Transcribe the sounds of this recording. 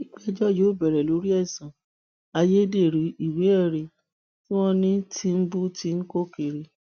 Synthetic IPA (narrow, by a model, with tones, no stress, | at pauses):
i˦k͡pɛ˦d͡ʒɔ˦jo˨˦˨bɛ˨ɾɛ˨lo˨˦ɾi˦ɛ˦˨sã˨ | a˧je˦de˦˨ɾi˨˦i˦˨we˨˦ɛ˦˨ɾi˨ | fũ˦ɔ̃˧nĩ˦tʰi˧m̩˦bu˦ti˧ŋ̩˦ko˦ke˨ɾi˧